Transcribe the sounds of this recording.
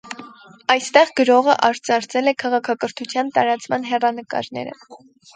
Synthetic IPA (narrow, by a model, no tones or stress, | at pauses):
ɑjst̪ɛʁɡəɾɔʁəʔɑɾt͡sɑɾt͡sʰɛlɛkʰɑʁɑkʰɑkəɾt̪ʰut͡sʰjɑnt̪ɑɾɑt͡smɑnɦɛrɑnəkɑ̰ɾnɛ̰ɾə̰